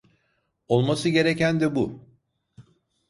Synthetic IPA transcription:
o̞lˠmasɯɟe̞ɾecænd̪ɛbu

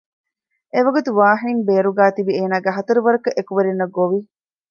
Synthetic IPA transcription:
eʋɐɡut̪uʋaːɦinimbeːɾuɡaːt̪ibieːnaːɡeɦɐt̪ɐɾuʋɐɾɐkɐʔekuʋɐɾinːɐɡoʋi

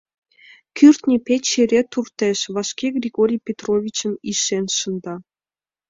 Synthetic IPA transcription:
kʲʰyrt̪nʲipʲet͡ɕeɾʲet̪urt̪eʃβɑʃkʲeɡrʲiɣoɾʲijpʲet̪rovʲit͡ɕə̆niʃenʃə̆nd̪ɑ

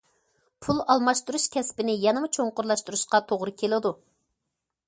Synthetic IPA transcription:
pʰulˠɑlˠmɑʃt̪uɾuʃkʲʰɛspɪnɪjɛnɨmut͡ʃʰoŋqʊɾlˠɑʃt̪uɾuʃqɑt̪ʰoʁɾɨkʲʰelɨd̪u

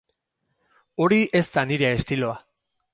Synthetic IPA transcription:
o̞ɾiʔe̞st̪aniɾe̞ːst̪ilo̞a

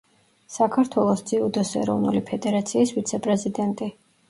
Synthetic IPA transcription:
sakʰaɾt̪ʰwɛlˠɔsd̪z̥iud̪ɔsɛ̰ɾɔvnulipʰɛd̪ɛɾat̪sʰiːsvit̪sʰɛpʼɾɛzid̪ɛnt̪ʼi

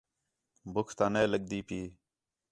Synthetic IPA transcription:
bʊkʰt̪aːneːləɠd̪iːpiː

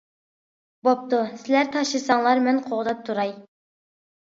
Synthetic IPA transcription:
bop̚t̪usɪlæɾt̪ʰɑʃlˠɨsɑŋlˠɑɾmɛnqʰoʁd̪ɑp̚t̪ʰuɾɑj

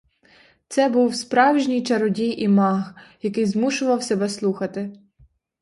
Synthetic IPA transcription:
t̪sɛbuwspɾɑwʒnʲijt͡ʃɐɾɔdʲijʔimɑɣjɐkɪjzmuʃʊʋɐwsɛbɛslˠuxɐt̪ɪ

